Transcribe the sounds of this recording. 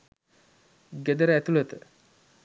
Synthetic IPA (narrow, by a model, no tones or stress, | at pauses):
ɡed̪əɾəɛt̪ulet̪ə